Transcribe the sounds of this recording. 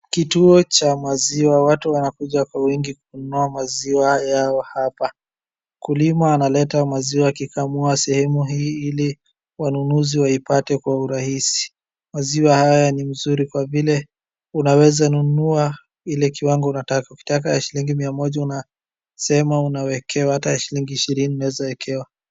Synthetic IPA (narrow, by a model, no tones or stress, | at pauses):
kituɔt͡ʃamaziwawatuwanakuʄakwawiŋɡikununuamaziwajaɔhapa | kulimaːnalɛtamaziwakikʰamuasɛhɛmuɦiːili | wanunuziwaipatɛkwauɾahisi̥ | maziwahajanim̩zuɾikwavilɛ | unawɛzanunua | ilɛkiwaŋɡɔunatakauki̥tak̬ajaʃiliŋɡimiamɔʄauna | sɛmaunawɛkʰɛwahatajaʃiliŋɡiːʃiɾiniunawɛzawɛkʰɛwa